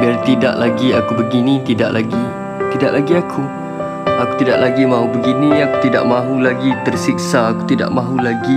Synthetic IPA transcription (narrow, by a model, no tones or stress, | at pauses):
biart̪ida̰ʔlaɡiakubəɡinĩt̪idaʔlaɡi | t̪idaʔlaɡiakʰu | akut̪idaʔlaɡimãɦubəɡiniaku̥t̪ida̰ʔmãɦulaɡit̪ərsiksaːku̥t̪ida̰ʔmãɦulaɡi